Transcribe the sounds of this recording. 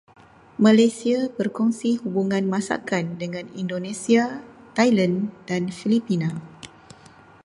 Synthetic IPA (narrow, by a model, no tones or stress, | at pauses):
mãlajsiabərkɔŋsihubuŋãnmãsa̰kandəŋãnindonẽsiat̪ajlandanfilipinã